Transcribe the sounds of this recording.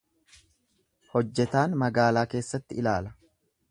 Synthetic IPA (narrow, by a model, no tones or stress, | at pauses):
hɔd͡ʒːɛt̪aːnmɐɡaːlaːke̞ːsːɐt̪ːɪɪlaːlɐ̥